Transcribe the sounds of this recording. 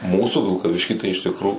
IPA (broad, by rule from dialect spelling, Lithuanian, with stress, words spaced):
ˈmuːsuː ʋʲɪlˠkɐˈʋʲɪʃʲkʲiː tɐɪ ɪʃ ˈtʲɪkroː